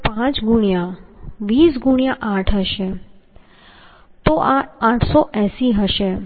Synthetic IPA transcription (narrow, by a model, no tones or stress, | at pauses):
pãt͡ʃɡuɳijãʋiːsɡuɳjãʔaʈʰɦəʃe | t̪oʔaãʈʰsoʔɛsiɦəʃe